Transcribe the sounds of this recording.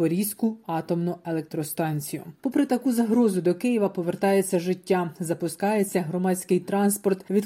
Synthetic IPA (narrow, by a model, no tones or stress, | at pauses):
ɔɾʲisʲkʊɑt̪ɔmnʊelˠek̚t̪ɾɔst̪ɑnʲt͡sʲijʊ̰pɔpɾɪt̪ɐkuzɐɦɾɔzʊd̪ɔkɪjiʋɐpɔʋert̪ɑjet͡sʲːɐʒɪtʲːazɐpʊskɑjet͡sʲːɐɦɾɔmɑt͡sʲkɪjt̪ɾɑnspɔrt̪ʋʲid̪